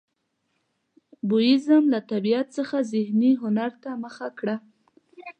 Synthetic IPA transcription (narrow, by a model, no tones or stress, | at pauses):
bʊjɪzəmlat̪abijat̪̚t͡səxazɪhniɦʊnaɾt̪aməxakɽa